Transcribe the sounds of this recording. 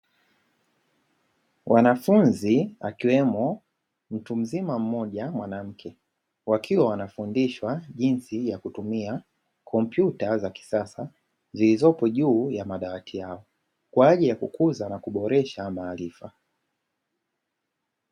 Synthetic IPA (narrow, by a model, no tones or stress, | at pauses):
wʔanafunzia̰kiwɛmɔ | m̩tum̩zimam̩mɔʄamwanam̩kʰɛ | wakʰiwawanafundiʃwaʄinsijakutumia | kʰɔmpjutazaki̥sasa | zilizɔpɔʄuːjamaɗawatʰijaɔ | kwaaʄilijakukuzanakuɓɔɾɛʃamaːlifa